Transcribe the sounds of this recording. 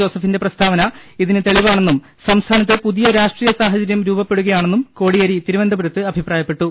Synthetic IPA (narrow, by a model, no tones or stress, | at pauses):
o̞ːsɐfinde̞prɐst̪ʰaːʋɐnɐiðinɨt̪e̞ɭiʋaːɳe̞nːum | sɐmst̪ʰaːnɐt̪̬ːɨpuðijɐɾaːʂʈriːjɐsaːɦɐt͡ɕɐɾjɐmɾuːbɐpːe̞ɽuɣɐjaːɳenːumko̞ːɽijɐɾit̪iɾuʋɐnd̪ʱɐbuɾɐt̪ːɨɐbʱipraːjɐpːe̞ʈːu